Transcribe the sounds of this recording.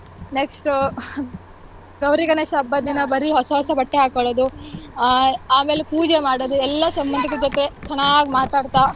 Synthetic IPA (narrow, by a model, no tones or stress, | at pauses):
neksʈu | ɡɐwɾikɐnɐʃɐbːɐd̪inɐbɐɾiɦɔsɐɦɔsɐbɐʈːeɦaːkɐɭoːd̪u | aːme̞ːlepuːd͡ʒemaːɽoːd̪uɛlːɐsɐmbɐnd̪ʱɐkːed͡ʒot̪e̞t͡ʃɛnːaːɡimaːt̪aːɽt̪a